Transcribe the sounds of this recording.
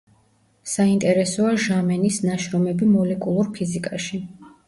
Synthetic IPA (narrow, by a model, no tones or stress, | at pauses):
saint̪ʼɛɾɛsɔaʒamɛnisnaʃɾɔmɛbimɔlɛkʼulˠuɾpʰizikʼaʃi